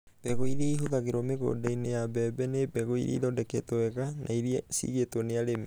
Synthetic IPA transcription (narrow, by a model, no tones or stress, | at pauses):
b̥ɛɣoiɾeiɦoðaɣeɾɔmeɣo̰dainejabɛbɛnebɛɣoiɾḭḭðɔdɛkɛtoɛɣanʔaiɾiɛsḭɣetɔneaɾemi